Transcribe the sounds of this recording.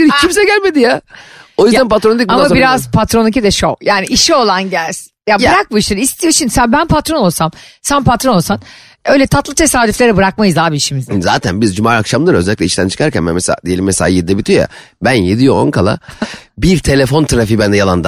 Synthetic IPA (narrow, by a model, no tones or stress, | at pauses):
icʰimsɛɟælʲme̞d̪ijao̞jyzænpʰat̪ɾond̪ic̚buamabiɾazpʰat̪ɾo̞nicid̪ɛʃojaːniʔiʃio̞lˠanɟælʲs | jabɯɾak̚buiʃlʲˠaɾist̪ʰijoʃimd̪isænbænpʰat̪ɾo̞no̞lˠsamsænpʰat̪ɾono̞lˠsan | ø̞jlʲɛt̪ʰat̪lˠɯt̪ʰe̞saːd̪yflʲeɾɛbɯɾak̚majɯzd̪aːbiiʃimizd̪za̰ːt̪ʰænbizd͡ʒumaːɾakʃamd̪ˠɯɾø̞zɛlʲiclʲɛiʃt̪ʰænt͡ʃʰɯ̥kʰaɾcʰæ̰nmɛmɛsḛa̰ːd̪ijelʲimːɛselʲaːjid̪id̪ɛbit̪ʰijoja̰ | bænjed̪ijoo̰nkʰalˠa̰biɾt̪ʰe̞lʲe̞fo̞nt̪ʰaɾafibænd̪ɛjalˠand̪a